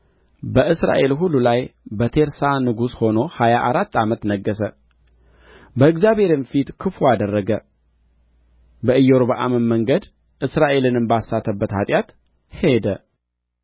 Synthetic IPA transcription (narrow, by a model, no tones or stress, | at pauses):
bəʔɨsɾa̰ʔe̞lɦulːulajbət̪ʰe̞ɾsanɨɡusho̞no̞hajaʔaɾat̪ːamət̪nəɡːəsə | bəɨɡzjaβhe̞ɾɪnfit̪kʰɨfuad̪ərːəɡə | bəɨjoɾoβəʔa̰məməŋɡəd̪ | ʔɨsɾaʔe̞lɨnɨmbasːat̪ʰːəbːət̪hat̪ʼjat̪ | he̞d̪ə